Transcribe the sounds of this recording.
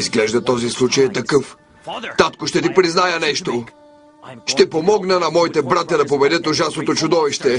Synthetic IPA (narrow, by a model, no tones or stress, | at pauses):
izɡlɛʒd̪ɐt̪ɔzislˠut͡ʃəjt̪ɐkəf | t̪at̪kʊʃt̪ɛt̪ipɾiznajənɛʃt̪o | ʃt̪ɛpomɔɡnənɐmɔit̪ɛbɾat̪ʲɐd̪ɐp̬obɛd̪ət̪oʒasnot̪ot͡ʃʊd̪ɔviʃt̪ɛ